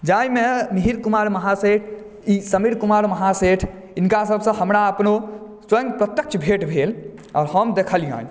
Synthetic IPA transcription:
d͡ʒajmemiɦiɾkumaɾməɦaseʈʰ | isəmiɾkumaɾməɦaseʈʰ | inkasəbʱsə̃həmɾaəpno | swə̃ŋɡ̚pɾət̪jək̚t͡ʃʰbʱeʈbʱel | ɔːɾɦəmd̪ekʰəlijã̰

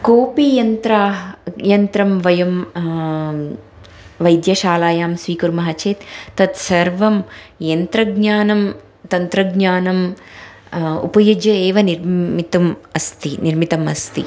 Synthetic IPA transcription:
koːpijɐnt̪ɾaːjɐnt̪ɾɐmʋɐjɐm | ʋɐjd̪jɐʃaːlaːjaːmsʋiːkuɾmɐɦɐt͡ʃeːt̪ːɐt̪sɐɾʋɐmjɐnt̪ɾɐɡɲaːnɐm | t̪ɐnt̪ɾɐɡɲaːnɐm | ṵpɐjud͡ʒjɐeːʋɐniɾit̪ɐmɐst̪iniɾmit̪ɐmɐst̪ḭ

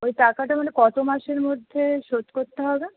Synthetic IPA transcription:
ojʈakaʈamanekɔt̪omaʃeɾmod̪ʱːeʃot̪koɾt̪eɦɔbe

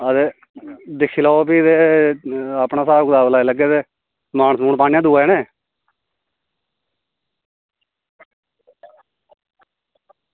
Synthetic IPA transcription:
əd̪e | d̪ɪkʰːiːlaːopiːd̪e | aːpɳaːsaːbkd̪aːblaːelɛːk̬ed̪eː | maːɳəsmuːɳpaːñijãːd̪uːɛːnẽː

